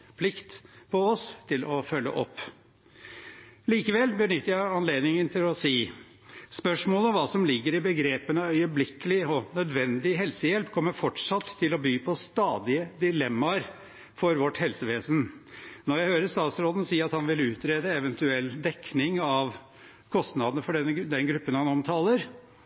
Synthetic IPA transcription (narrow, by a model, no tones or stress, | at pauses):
pʰlɪkt̪pʰɔɔst̪ʰɪlɔfœlːə̰ʔɔ̰pː | liːkəʋɛlbənʏt̪ːəɾjæɪɑnleːd̪nɪŋənt̪ʰɪlɔsiː | spœʂmoːləɔmʋɑːsɔmlɪɡːəɾɪbəɡɾeːpənəœʏəblɪkəlɪɔnœd̪ʋɛnd̪ɪɦɛlsəjɛlpkʰɔmːəɾfɔʈʂɑt̪ʰːɪlɔbyːpʰɔst̪ɑːd̪ɪəd̪ɪlɛmːɑɾ | fɔɾʋɔʈːhɛlsəʋeːsən̩nɔɾjæɪhøːɾəʂt̪ɑːt̪sɾoːd̪ən̩siːɾɑt̪hɑnʋɪlʉːt̪ɾeːd̪əɛʋənt̪ʉɛlːd̪ɛkːnɪŋɑʋ | kʰɔst̪nɑd̪ənəfɔɖɛnːəd̪ɛnɡɾʉpːənhɑnɔmt̪ʰɑːləɾ